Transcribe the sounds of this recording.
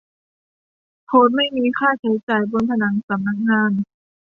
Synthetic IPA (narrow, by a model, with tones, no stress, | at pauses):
pʰoː˦˥t̪̚ma˥˩jmiː˧kʰaː˥˩t͡ɕʰa˨˦jt͡ɕaː˨˩jbo˧nt̪ʰa˧na˩˦ŋsa˨˦mna˧˦˥k̚ŋaː˧˥˩n